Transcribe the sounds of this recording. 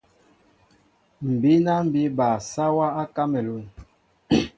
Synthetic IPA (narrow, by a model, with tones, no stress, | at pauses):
m̩˨bi˦na˦m̩˨bi˦ba˨sa˦wa˦a˦ka˦mɛ˨lu˦˨n